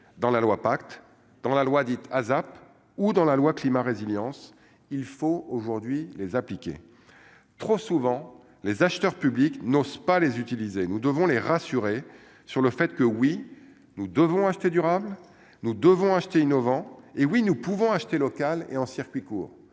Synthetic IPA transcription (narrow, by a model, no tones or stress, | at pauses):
d̪ɑ̃lalwapakt̪ | d̪ɑ̃lalwad̪it̪ʰazap | ud̪ɑ̃lalwaklimaʁeziljɑ̃s | ilfooʒuʁd̪ɥilezaplikʲḛ | t̪χosuvɑ̃ | lezaʃt̪œʁpybliknozpalezyt̪ilizenud̪əvɔ̃leʁasyʁe | syʁləfɛt̪kəwi | nud̪əvɔ̃aʃt̪ed̪yʁabl | nud̪əvɔ̃aʃt̪einɔvɑ̃ewinupuvɔ̃aʃt̪elɔkalḛɑ̃siʁkʲɥikuːʁ